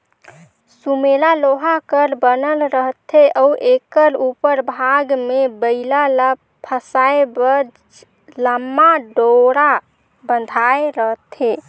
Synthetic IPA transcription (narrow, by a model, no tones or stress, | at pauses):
sumelaloɦakəɾbənəlɾəɦt̪ʰeʔəuʔekəɾupəɾbʱaɡmebəɪlalə | pʰəsaebə | ləmːaɖoɾa | bənd̪ʱaeɾəɦt̪ʰe